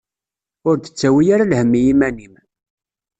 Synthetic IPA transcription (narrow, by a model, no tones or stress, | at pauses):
ʊɾd̪ə̥t͡sːæwijaɾalhəmːijimænim